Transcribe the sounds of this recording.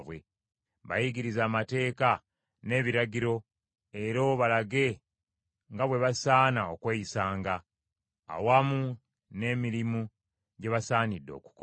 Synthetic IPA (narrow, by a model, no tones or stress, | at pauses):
βwe̞ | βajiɟiɾizaːmate̞ːka | ne̞ːβiɾaɟiɾo̞ | e̞ɾo̞βalaɡe̞ | ŋɡaβwe̞βasaːnaokweːjisaːŋɡa̰ː | wamu | ne̞ːmiɾimu | ɟe̞βasaːnidːo̞̰ːku̥ko